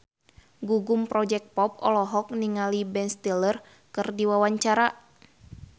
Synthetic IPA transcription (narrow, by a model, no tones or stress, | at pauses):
ɡuɡumpɾɔd͡ʒɛk̪̚pɔp̚ɔ̰lɔɦɔk̚niŋalibɛnst̪ɛlər | kɨrdiwawaɲt͡ʃaɾa